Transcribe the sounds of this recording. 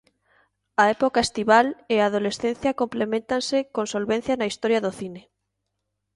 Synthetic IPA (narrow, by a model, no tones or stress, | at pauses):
aepokaest̪iβaleað̞olesθen̟θjakomplemẽnt̪ansekonsolβẽn̟θjanaist̪oɾjaðoθine